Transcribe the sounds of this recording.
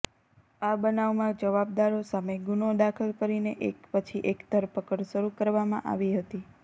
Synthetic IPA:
abənaʋmãd͡ʒəʋab̚d̪aɾosameɡunod̪akʰəlkəɾineʔekpət͡ʃʰiʔekd̪ʱəɾpəkəɾʃəɾukəɾʋamã̰ʔa̰ʋiɦət̪i

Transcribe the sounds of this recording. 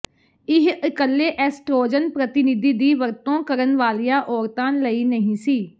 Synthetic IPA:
ɪɦəkəlːeːʔɛːsʈɾoːd͡ʒənpɾət̪ɪnɪd̪iːd̪iːʋəɾt̪õːkəɾənʋaːlijãːʔɔːɾt̪ãːnləiːnəɦĩːsiː

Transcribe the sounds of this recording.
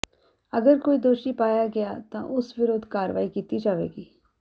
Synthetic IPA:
ɐɡəɾkoːid̪oːʃipaːjaɡɐjat̪ã̰ʔʊsʋɪɾoːd̪ʱkaːɾʋaːikiːt̪id͡ʒaːʋḛːɡiː

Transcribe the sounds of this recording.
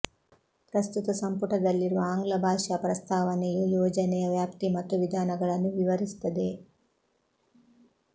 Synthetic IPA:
pɾɐst̪ut̪ɐsɐmpuʈɐd̪ɐlːiɾuʋɐaːŋɡlɐbʱaːʃɐpɾɐst̪ʰaːʋɐnejujoːd͡ʒɐnɛjɐʋjaːpt̪imɐt̪ːuʋid̪ʱaːnɐɡɐɭɐnːuʋiʋɐɾist̪ːɐd̪e̞

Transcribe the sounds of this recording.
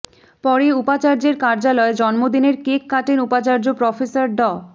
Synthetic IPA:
pɔɾeupat͡ɕaɾd͡ʑeɾkaɾd͡ʑalɔed͡ʑɔnmod̪ineɾkekːaʈenupat͡ɕaɾd͡ʑopɾɔfesaɾɖɔ

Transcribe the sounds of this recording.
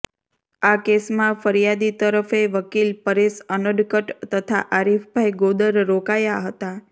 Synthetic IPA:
akesmãfəɾjad̪it̪əɾəfeʋəkilpəɾesənəɖkəʈt̪ət̪ʰa̰ʔaɾifbʱajɡod̪əɾɾokajaɦət̪a

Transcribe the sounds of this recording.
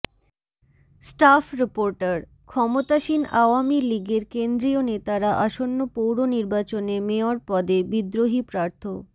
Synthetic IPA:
sʈafɾipoɾʈaɾ | kʰɔmot̪aʃinaoamiliɡeɾkend̪ɾionet̪aɾaʔaʃonːopowɾoniɾbat͡ɕonemeoaɾpɔd̪ebid̪ɾoɦipɾaɾt̪ʰo

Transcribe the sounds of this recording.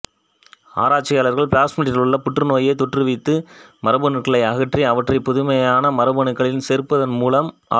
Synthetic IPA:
a̰ːɾaːʈ̚t͡ʃːɪjaːlɐɾɣɐɭpɭaːsmiːʈɪlɯɭːɐpʊʈrɯnoːjeːt̪ɔʈrɯʋɪt̪ːɯmɐɾɐbɐnɯkːɐɭɐɪɐɣɐʈriɐʋɐʈrɐɪpːɔðʊmɐjaːnɐmɐɾɐbɐnɯkːɐɭɪnseːɾpːɐðɐnmuːlɐmː

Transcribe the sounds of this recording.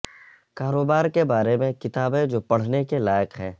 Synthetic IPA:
kaːɾoːbaːɾkebaːɾemẽkɪt̪aːbed͡ʒoːpɐɽ̤nekelaːjəqɦɛː

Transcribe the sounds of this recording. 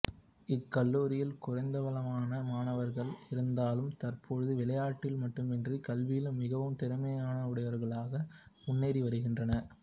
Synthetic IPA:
ɪkːɐlːuːɾɪjɪlkʊrɐɪnd̪ɐʋɐlɐmaːnɐmaːnɐʋɐɾɣɐɭɪɾɯnd̪aːlɯmt̪ɐɾpʰɔɻɯðɯʋɪlɐjaːʈːɪlmɐʈːɯmɪndrikɐlʋɪjɪlmɪɣɐʋɯmt̪ɛɾɯmɐjaːnɐʊɽɐjʋɐɾɣɐɭaːɣɐʊnːeːɾiʋɐɾɯɣɪndrɐnɐ

